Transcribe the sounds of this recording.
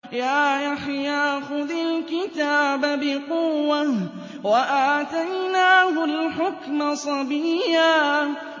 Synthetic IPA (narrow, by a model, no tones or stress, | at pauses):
jaːʔaħjaːxʊðalkɪt̪aːbabɪqʊwːa | waʔaːt̪ajnaːɦʊlħʊkmasˤɑbijaː